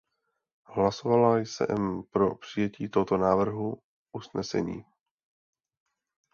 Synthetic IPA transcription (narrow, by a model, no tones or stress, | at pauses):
ɦlaso̞valajsɛ̰ʔɛmpɾo̞pr̝̥ijɛciːt̪oɦot̪o̞naːvr̩ɦu | ʔusnɛsɛ̰ɲḭː